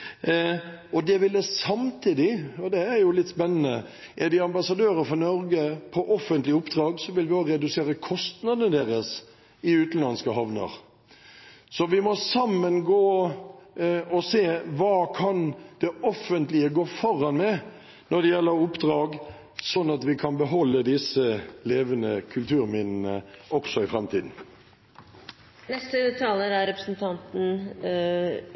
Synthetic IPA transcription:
ɔd̪ɛʋɪld̪əsɑmt̪ʰiːd̪ɪɔd̪ɛæɾjʊlɪt̪ːspɛnːənə̰ | ʔɛɾd̪ɪɑmbɑsɑd̪øːɾəfɔnɔɾɡəpʰɔʔɔfːənt̪lɪʊpd̪ɾɑːɡsɔʋɪlʋɪoːɡɾɛd̪ʉseːɾəkʰɔst̪nɑd̪ənəd̪eːɾəs | ɪʉːt̪n̩lɑnskəhɑʋnə̰ɾ | sɔʋɪmɔsɑmːənɡoː | ɔseːʋɑːkʰɑnd̪̥ɛɔfənt̪lɪəɡoːfɔɾɑnmɛ | nɔd̪ɛjɛlːəɾʊpd̪ʁɑːɡ | sɔnːɑt̪ʋɪkʰɑnbəɦɔlːəd̪ɪsəleːʋənəkʰʉlt̪ʉːɾmɪnn̩əʔɔksɔɪfɾɛmt̪ʰiːd̪n̩ | nɛst̪ət̪ʰɑːləɾæɾɛpɾəsn̩t̪ʰɑnt̪n̩

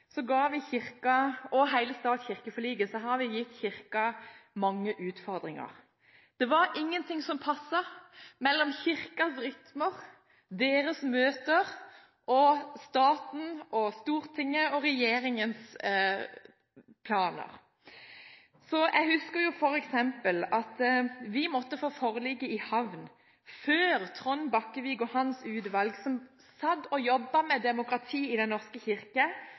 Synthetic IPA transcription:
sɔɡɑːʋɪçɪʁkɑɔɦæɪləst̪ɑːd̪çɪʁkəfɔliːɡəsɔɦɑɾʋɪjɪt̪ːçɪʁkɑmɑŋːəʔʉːt̪fɔɾd̪ʁɪŋɑ̰ɾ | d̪̥ɛʋɑɾʔɪŋːənt̪ʰɪŋsɔmpʰɑsːɑmɛlːɔmçɪɾkɑsɾʏt̪məʁ | d̪eːɾəsmøːt̪əʁ | ʔɔst̪ɑːt̪n̩ɔst̪uːʁt̪ʰɪŋːəɔʁɛjeːɾɪŋəns | pʰlɑːnə̰ʁ | sɔjʔɛɡhʉskəɾjʊfɔɾɛksɛmpəlɑt̪ʋɪmɔt̪ːəfoːfɔʁlɪɡːəɪhɑʋn | føːʁt̪ʰʁɔnbɑkːəʋɪɡɔhɑnsʉːd̪ʋɑlɡsɔm | sɑd̪ɔjɔbːɑmɛd̪ɛmʊkʁɑt̪ʰiːɪd̪ɛnːɔʁskəçɪʁkɑ

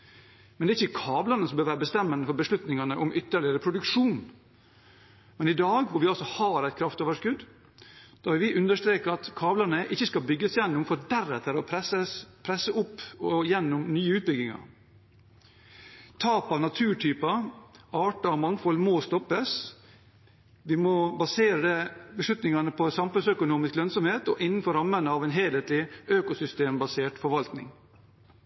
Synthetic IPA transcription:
mɛnd̪ɛɾɪçːəkʰɑːblɑnəsɔmbøːɾʋæːɾəbəst̪ɛmːənd̪əfɔɾbəslʉt̪nɪŋɑnəʔʊmʔʏt̪ːəɭɪəɾəpʰɾʊd̪ʉkʂuːn | mɛnɪd̪ɑːɡʋʊɾʋɪɑlsɔhɑːɾæɪt̪̚kʰɾɑft̪oːʋəʂkʉd̪ː | d̪̥ɑːʋɪlʋɪʔʉnd̪əʂt̪ɾeːkəɑt̪kʰɑːblɑnəʔɪçːəskɑlbʏɡːəsjɛnːʊmfɔd̪æɾɛt̪ʰəɾɔpʰɾɛsəspʰɾɛsːəʊpːɔjɛnːʊmnyːəʉːt̪̚bʏɡɪŋɑ̰ɾ | t̪ʰɑːpɑʋnɑt̪ʰʉːʈʰyːpɑɑːʈɑɔmɑŋfɔlːmoːst̪ɔpːəs | ʋɪmɔbɑseːɾəd̪ɛbəʂlʉt̪nɪŋɑnəpʰɔsɑmfʉnsœkʊnuːmɪsklœnsɔmheːt̪ɔʔɪnːən̩fɔɾɑmːənəɑːʋɛnɦeːleːt̪lɪøːkʊsʏst̪eːmbɑseːʈfɔɾʋɑlt̪nɪ̰ŋ

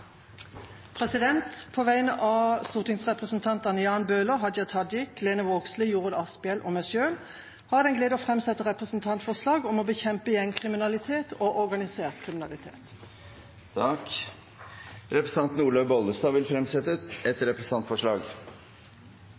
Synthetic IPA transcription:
pʰʁɛsɪd̪ɛnt̪pʰoːʋæɪənəʔɑːst̪uːʁt̪ʰɪŋsʁɛpʁəsnt̪ʰɑnt̪ɑnəjɑːnbøːləɦɑd̪jɑt̪ʰɑd̪jɪkleːnəʋoːɡslijuːʁəd̪ɑspɪɛlʔɔ̰mɛsøːl | hɑːʁd̪ɛnɡleːd̪oːfʁɛmsɛt̪ːəʁɛpʁəsn̩t̪ʰɑnt̪fɔʁslɑːɡɔmɔbəçɛmpəjɛŋkʰʁɪmɪnɑlɪt̪ʰeːt̪ʰoːʔɔʁɡɑnɪseːʁt̪kʰʁɪmɪnɑlɪt̪ʰḛːt̪ | t̪ʰɑk | ɾɛpɾəsɑnt̪nuːɭøʋbɔld̪əst̪ɑːʋɪlfɾɛmsɛt̪əɛt̪ɾɛpɾəs̩ɑnt̪fɔʂɭɑːɡ

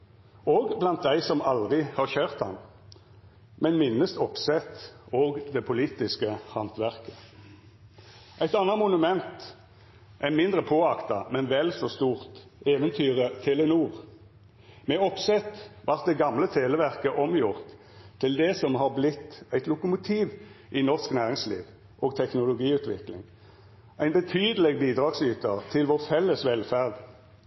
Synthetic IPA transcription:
oːɡblɑnt̪̚d̪æɪsɔmɑlʁɪhɑːʁçøːʁt̪hɑ̰n | mɛnmɪnːəst̪ɔpsɛt̪oːɡd̪ɛpʰʊliːt̪ɪskəhɑnt̪ʋæʁkə̥ | ʔæɪt̪ɑnɑmʊnʉmɛnt̪ | ʔæɪmɪnd̪ʁəpʰoːɑkt̪ɑmɛnʋɛlsɔst̪uːʁt̪eːʋənt̪ʰyːʁət̪ʰɛlɛnuːʁ | mɛɔpsɛt̪ʋɑʁt̪̚d̪ɛɡɑmlət̪ʰeːləʋæʁkəʔɔmjʊʁt̪ʰː | ɪld̪ɛsɔmɦɑʁblɪt̪ːæɪt̪lʊkʊmʊt̪ʰiːʋ | ʔɪnɔʁsknæːʁɪŋslḭːʋ | ʔoːɡt̪ʰɛknʊlʊɡiːʉːt̪ʋɪ̰klɪ̰ŋ | æɪnbət̪ʰyːd̪əlɛɡbiːd̪ʁɑːɡsyːt̪ət̪ʰɪlʋɔʁfɛlːəsʋɛlfæʁd̪

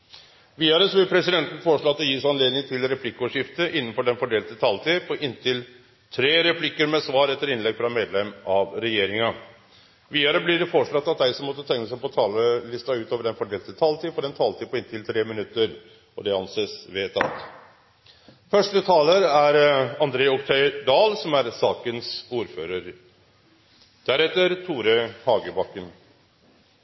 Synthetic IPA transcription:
ʋiːɑɾəsɔʋɪlpʰɾɛsɪd̪ɛnt̪n̩foːəʂɭɑt̪ːɔjiːsɑnleːd̪nɪŋt̪ʰɪlɾɛpʰlɪkːoːʂɪft̪əʔɪnːənfɔɖɛnfɔɖeːlt̪ət̪ʰɑːlt̪ʰiːpʰɔʔɪnt̪ʰɪl | t̪ʰɾeːɾɛpʰlɪkːəɾmɛsʋɑːɾɛt̪ːəɾɪnlɛɡfɾɑmeːd̪lɛmːɑʋɾɛjeːɾɪŋɑ | ʋiːɑɾəblɪɖɛfɔʂɭɑt̪ːɑt̪̚d̪æɪsɔmːɔt̪ːət̪ʰɛŋːəsæɪpɔt̪ʰɑːləlʏst̪ɑʉːt̪oːʋəɖɛnfɔɖeːlt̪ət̪ʰɑːlt̪iːfɔɾɛnt̪ʰɑːlt̪ʰiːpʰɔɪnt̪ʰɪlt̪ʰɾeːmɪnʉt̪ːəɾ | ɔd̪ɛɑnseːsʋeːt̪ʰɑ̰t̪ | fœʂʈət̪ʰɑːləɾæɾɑnd̪ɾeːʊkt̪ʰœʏd̪ɑːlsɔmæɾsɑːkənsuːɾføːɾəɾ | d̪̥æɾɛt̪ːəɾt̪ʰuːɾəhɑːɡəbɑkːən

